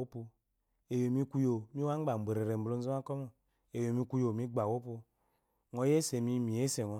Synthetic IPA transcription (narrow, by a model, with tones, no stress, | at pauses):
o˦pu˧ | e˨jo˨mi˦ku˦jo˨mi˦wa˦ŋ˦ɡ͡ba˨m̩˨be˨ɾe˨ɾe˨m̩˨lo˦n̩˦zo˦ma˦ko˦mo˨ | e˨jo˨mi˦ku˦jo˨mi˦ɡ͡ba˨wo˦po˧ | ŋo˨˦je˦se˨mi˦mi˨e˦se˨ŋo˨